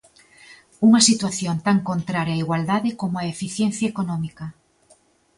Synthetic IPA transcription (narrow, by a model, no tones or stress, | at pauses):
uŋɐsit̪waθjont̪aŋkont̪ɾaɾjaiɣwald̪aðɪkomʊaefiθjɛnθjɐekonɔmikɐ